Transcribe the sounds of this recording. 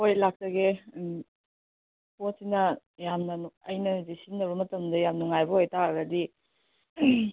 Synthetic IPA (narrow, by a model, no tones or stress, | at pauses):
hojlak̚tɐɡe | posinɐ | jamnɐnuɐjnɐzisinːɐwɾumɐtɐmdɐjamnuŋajbɐɦojtaɐɡɐdi